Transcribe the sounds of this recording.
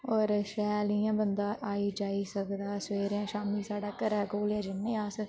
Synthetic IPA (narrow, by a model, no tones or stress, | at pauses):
ɔːɾʃɛːliãːbənd̪aːʔaːiːd͡ʒaːiːsəkd̪aːsʋeːɾãːʃaːmiːsaːɖaːkəɾɛːɡoːlãːd͡ʒɪnːẽːaːs